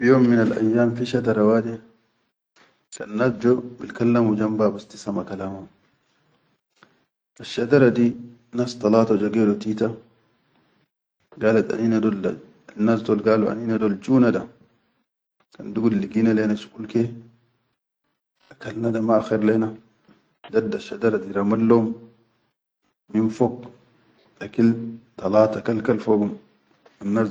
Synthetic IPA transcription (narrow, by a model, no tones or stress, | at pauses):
bijoːmːɪnalʔa̰jːaːmfiʃad̪ɐɾawaːd̪ɛ | kɐnːasd͡ʒɔbɪlkalːamud͡ʒambabast̪i̥samakalaːma | ʔaʃːɐd̪ɐɾadi | nast̪ɑlaːt̪ad͡ʒɔɡɛdɔt̪iːt̪a | ɡaːlat̪a̰niːnadɔl | anːasd̪ɔlɡaːluʔa̰ninadɔld͡ʒuːnada | ka̰nduɡulːiɡinalenasu̥kulke | akalnadamaxeɾleːna | dadaʃːadaɾad̪iɾamalːom | infoɡ | ʔakilt̪ɑlaːt̪akalkalfoɡum | anːa